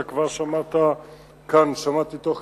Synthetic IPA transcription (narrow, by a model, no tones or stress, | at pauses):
akvaʁʃamat̪a | kʰanʃamat̪it̪oχ